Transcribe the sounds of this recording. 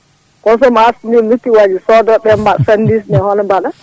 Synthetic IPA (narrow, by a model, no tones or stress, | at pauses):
kɔnsɔmasmilutːiwad͡ʒisɔdɔɓɛmbasandis̬nɛhɔnɔbaɗa